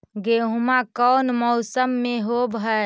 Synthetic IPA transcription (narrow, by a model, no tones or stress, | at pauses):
ɡeɦumakɔwnmɔʊsəmːẽɦobʱə